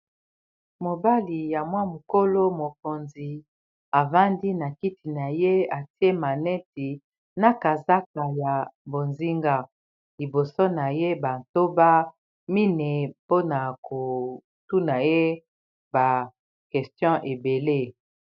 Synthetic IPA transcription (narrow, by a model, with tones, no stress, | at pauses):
mo˨ba˦li˨ja˨mwa˦mu˨ko˦lo˦mo˨ko˨nzi˨ | a˨va˦ndi˦na˨ki˦ti˨na˨je˦a˨ti˦e˦ma˨nɛ˦ti˨ | na˨ka˨za˦ka˨ja˨bo˨nzi˦ŋɡa˦ | li˨bo˨so˦na˨je˦ba˨n˨to˦ba˦ | mi˦ne˨po˦na˨kʰo˨ | tu˦na˨je˦ | ba˨ | kɛ˨stjɔ̃˦ʔe˨be˨le˦